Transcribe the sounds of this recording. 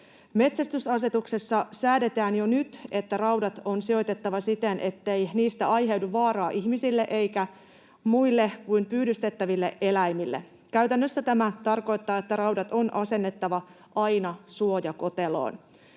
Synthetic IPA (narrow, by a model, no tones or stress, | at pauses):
me̞t̪sæst̪ysɑs̬e̞t̪ukse̞sːɑsæːde̞t̪æːnjo̞nyt̪e̞t̪ːærɑwdɑt̪o̞nsio̞jt̪e̞t̪ːɑʋɑsit̪enʔe̞t̪ːejniːst̪æɑjɦe̞wduʋʋɑːrɑːʔihmisilːe̞ʔe̞jkæ | muilːe̞kujmpyːdyst̪e̞t̪ːæʋilːe̞̰ʔe̞læjmilːe | kæyɥt̪ænːøsːæt̪æmæt̪ɑrko̞jt̪ːɑːet̪ːærɑwdɑt̪o̞nʔɑse̞nːe̞t̪ːɑʋɑ | ʔɑjnɑsuo̞jɑko̞t̪e̞lo̰ːn